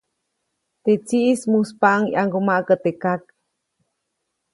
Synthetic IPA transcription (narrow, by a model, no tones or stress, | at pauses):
t̪et͡siʔsmuspaʔŋjʔaŋɡumaʔkət̪ekak̚